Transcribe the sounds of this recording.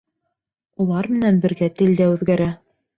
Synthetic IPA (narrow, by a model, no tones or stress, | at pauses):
ulˠɑɾmɘ̆nænbɘ̆ɾɡæt̪ɘ̆ld̪æʉðɡæɾæ